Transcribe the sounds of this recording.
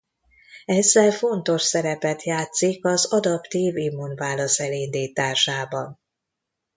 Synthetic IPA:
ɛzːɛlfo̞nt̪o̞ʃsɛɾɛpɛt̪jaːt̪sikɒzɒd̪ɒpt̪iːvimːunvaːlɒsɛlind̪iːt̪aːʃaːbɒn

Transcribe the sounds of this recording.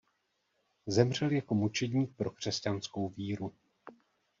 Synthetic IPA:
zɛmr̝ɛljako̞mut͡ʃɛdɲiːk̚pɾo̞kr̝̥ɛscansko̞wviːɾu

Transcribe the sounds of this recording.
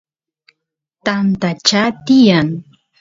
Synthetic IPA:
t̪ant̪at͡ʃat̪ɪjaŋ

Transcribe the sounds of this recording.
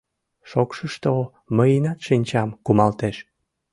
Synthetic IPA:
ʃokʃəʃt̪o | məjinɑt̪ʃinʲt͡ɕɑmkumɑlt̪eʃ

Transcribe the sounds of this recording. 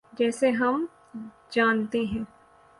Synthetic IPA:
d͡ʒɛːseɦɐm | d͡ʒaːnt̪eɦɛ̃ː

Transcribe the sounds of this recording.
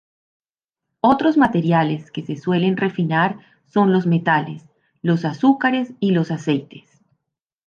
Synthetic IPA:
o̞t̪ɾo̞zmat̪e̞ɾjale̞ske̞seswe̞le̞nre̞finaɾ | so̞nlo̞zme̞t̪ale̞s | lo̞sasukaɾe̞silo̞sase̞jt̪e̞̥s

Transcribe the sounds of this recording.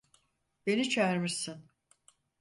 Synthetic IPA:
be̞nit͡ʃʰæɾmisin

